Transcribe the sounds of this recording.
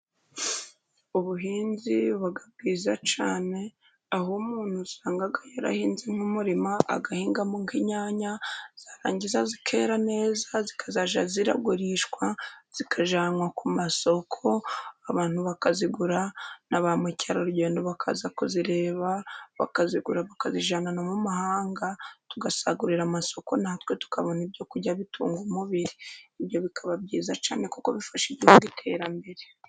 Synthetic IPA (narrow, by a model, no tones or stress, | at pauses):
uβuɦiːnziβaɡab̚ɡiːzat͡ʃaːne̞ | aɦomuːn̥husaːŋɡaɡajaɾa̰hiːnzeŋ̥umuɾimaʔa̰ɡahiːŋɡamuŋkiɲaːɲaz̥aːɾaːɲɟizazikʰe̞̰ɾane̞ːzazikʰḁzaʒaziɾa̰ɡuɾiʃkwaz̥ikʰaʒaːŋwakumaso̞kʰo̞aβaːn̥huβakaziɡuɾanaβamwechaɾoɾuɟe̞ːndoβakʰa̰zakuziɾe̞ːβaβa̰kaziɡuɾaβakaziʒananomumahaːŋɡatuɡasaɡuɾiɾamaso̞ko̞nahatwe̞tu̥kʰaβo̞nibjo̞kuɟaβitʰṵːŋɡumuβiɾiːβjo̞βikʰaβabɟiːzat͡ʃa̰ːne̞kukoβifaʃiɟihuɡwitʰe̞ːɾambe̞ɾe